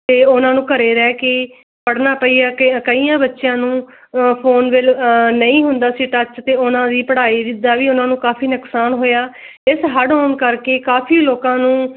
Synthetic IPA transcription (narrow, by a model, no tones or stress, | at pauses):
t̪eːʊnãːnũːkəɾeːɾɛːkeː | pəɽnaːpəiːaːkkəiːjãːbətːʃɪjãːnũː | pʰoːnʋɪlnəĩːɦʊnd̪aːsiʈət͡ʃt̪eːʊnãːd̪iːpəɽaːiːd̪ɪd̪ːaːʋiːʊnãːnũːkaːpʰiːnəksaːnɦoːjaː | ɪsɦəɖɦoːnkəɾkeːkaːpʰiːloːkãːnũː